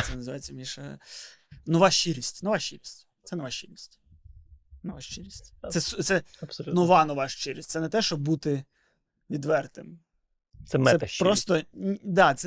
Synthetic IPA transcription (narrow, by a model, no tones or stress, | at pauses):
sɛnɐzɨʋajʲt͡sʲːɐmʲiʃ | nɔʋaʃiɾʲisʲtʲnɔʋaʃʲiɾʲisʲtʲt̪sɛnɔʋaʃiɾʲisʲtʲ | nɔʋaʃt͡ʃiɾʲisʲt̪ʲɛst̪sɛpsnɔʋɑnɔʋaʃt͡ʃɪɾʲisʲt̪ʲsɛnɛt̪ɛʃt͡ʃɔbːut̪ɪ | ʋʲid̪ʋɛrt̪ɪm | t̪sɛmsɛɛpɾɔst̪ɔd̪ɑt̪sɛ